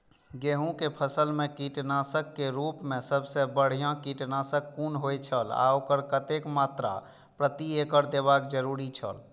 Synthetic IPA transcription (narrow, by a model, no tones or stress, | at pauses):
ɡeɦũkepʰəsəlmekiʈnasəkːeɾupmesəbsebəɽ̤ijãkiʈnasəkːunɦojt͡ʃʰəla̰okəɾkət̪ekmat̪ɾa̰ | pɾət̪iekəɾd̪ebakd͡ʒəɾuɾit͡ʃʰə̰l